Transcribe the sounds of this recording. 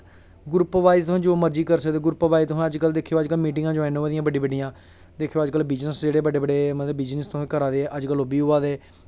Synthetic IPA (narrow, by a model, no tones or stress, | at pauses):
ɡʊɾpːʋaːizt̪ʊɦːd͡ʒoːməɾd͡ʒiːkəɾsəkd̪eːɡʊɾupəʋaːit̪ʊsãːəd͡ʒkəld̪eːkʰːjoːəd͡ʒkəlmiːʈɪ̃ŋɡãːd͡ʒoːɛːnoːaːd̪ijãːbəɖĩːbəɖijãː | d̪eːkʰejoːd͡ʒkəlbɪd͡ʒnəsd͡ʒeːɽeːbəɖeːbəɖeːmət̪ləbbɪd͡ʒnəst̪ʊãːkəɾaːd̪eːʔəd͡ʒkəloːbiːʊːaːd̪eː